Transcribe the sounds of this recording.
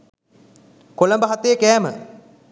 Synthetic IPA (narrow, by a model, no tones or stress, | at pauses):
koləmbəɦat̪ejəkɛːmə̰